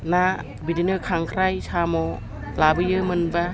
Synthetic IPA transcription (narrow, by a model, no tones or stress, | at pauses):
na | bidinɯkʰaŋkʰɾajsʰamɔ | labɯjɯmɯnba